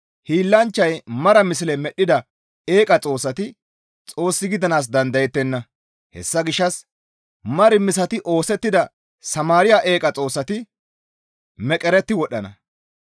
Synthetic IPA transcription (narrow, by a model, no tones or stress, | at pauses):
hiːlːɐnt͡ʃːɐjmɐɾɐmɪs̬ɪlɛmɛɗːɪd̪ɐ | e̞ːkʼɐt͡sʼo̞ːsːɐt̪ɪ | t͡sʼo̞ːsːɪɡɪd̪ɐnaːs̬d̪ɐnd̪ɐjɛt̪ːɛnːɐ | hɛ̰sːɐɡɪʃːɐs | mɐɾɪmɪs̬ɐt̪ɪʔo̞ːsɛt̪ːɪd̪ɐ | sɐmaːɾɪjaːʔe̞ːkʼɐt͡sʼo̞ːsːɐt̪ɪ | mɛkʼɛɾɛt̪ːɪwɔɗːɐnɐ̰